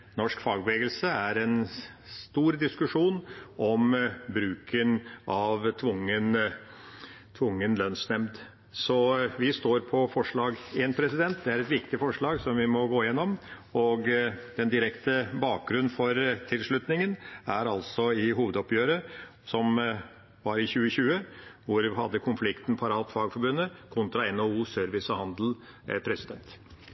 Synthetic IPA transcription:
nɔʂkfɑːɡ̚bəʋeːɡəlsəæɾɛnst̪uːɾd̪ɪskʉʂuːnʔɔmbɾʉːkʰənʔɑʋt̪ʰʋʊŋːən | t̪ʰʋʊŋːənlœnsnɛmd̪ | sɔʋɪst̪oːɾpʰɔfɔʂɭɑːɡeːnpʰɾɛsɪd̪ɛnt̪d̪ɛæɾɛt̪ʋɪkt̪ɪfɔʂɭɑːɡsɔmʋɪmɔɡoːɪjɛnːɔm | ɔɡd̪ɛnd̪ɪɾɛkt̪əbɑːk̚ɡɾʉnːfɔɾt̪ʰɪlʂɭʉt̪nɪŋənæɾɑlsɔɪɦuːʋəd̪ɔpjøːɾə | sɔm | ʋɑɾɪçʉːəçʉːəʋʊɾɦɑd̪ːəkʰʊnflɪkt̪npʰɑɾɑːt̪fɑːɡfɔɾbʉnːəkʰʊnt̪ɾɑɛnouːsœɾʋɪsəhɑnd̪l̩ | pʰɾɛsɪd̪ɛnt̪

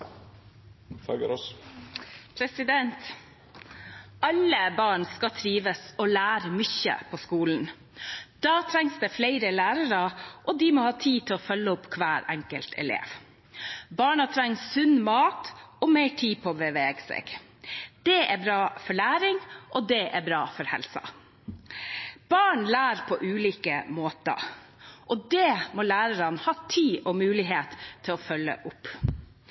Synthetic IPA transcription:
fɑɡəɾɔs | pʰɾɛsɪd̪ɛnt̪ | ɑlːəbɑːɳskɑt̪ʰɾiːʋəsɔlæːɾmʏçə̰pʰɔskuːln̩ | d̪̥ɑːt̪ʰɾɛŋsd̪ɛːflæɪɾəlæːɾəɾəʔɔd̪ɪmɔhɑːt̪ʰiːt̪ʰɪɔfœlːəʊpːkʰʋæːɾɛ̰ŋkəlt̪ʰɛ̰lḛːʋ | bɑːɳɑt̪ʰɾɛŋːsːʉnmɑːt̪ɔmɛɪʈʰiːpʰɔbɛʋeːɡsɛ̰ːɡ̥ | d̪̥ɛʔæbɾɑːfɔɭæːɾɪŋʔɔd̪ɛʔæbɾɑːfɔɾhɛ̰lsɑ̰ | b̥ɑːɳlæːɾpʰɔʔʉːliːkəmoːt̪ə̰ | ʔɔd̪ɛmɔlæːɾəɾɑnhɑːt̪ʰiːɔmʉːlɪɦeːt̪ʰːɪlɔfœlːə̰ʔʊpː

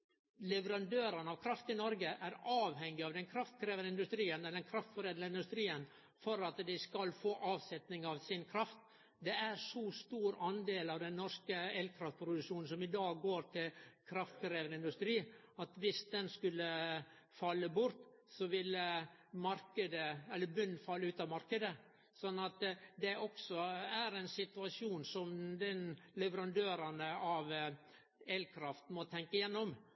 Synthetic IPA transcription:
lɛʋəɾɑnd̪øːɾənɑʋkʰɾɑft̪ɪnɔɾɡəʔæɾɑːʋhɛŋːɪɑʋd̪ɛnkʰɾɑft̪kʰɾeːʋənəɪnd̪ʉst̪ɾiːənd̪ɛnkʰɾɑft̪fɔɾeːd̪ləɪnd̪ʉst̪ɾiːən | fɔɾɑt̪d̪ɪskɑlfoːʔɑːʋsɛt̪nɪŋɑʋsɪnkʰɾɑft̪ | d̪ɛæɾʂɔst̪uːɾɑnd̪eːlɑʋd̪ɛnːɔɾskəɛlkʰɾɑft̪̚pʰɾʊd̪ʉkʂuːnn̩sɔmɪd̪ɑːɡoːɾʈʰɪlkʰɾɑft̪kɾeːʋənəɪnd̪ʉst̪ɾiː | ɑt̪ʋɪsd̪ɛnskʉlːə | fɑlːəbʊɾt̪ | sɔʋɪləmɑɾkəd̪əɛlːəɾbʉnːfɑlːəʉːt̪ɑʋmɑɾkəd̪ə | sɔnːɑt̪d̪ɛʔɔksɔæɾɛɪnsɪt̪ʉɑʂuːnsɔmd̪ɛnlɛʋəɾɑnd̪øːɾɑnəɑʋ | eːlkʰɾɑft̪mɔt̪ʰɛŋkəjɛnːɔm

